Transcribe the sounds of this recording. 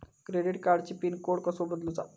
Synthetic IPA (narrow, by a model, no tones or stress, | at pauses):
kɾeɖiʈkaɾɖt͡ɕiːpiːnkoɽkəsobəd̪lud͡za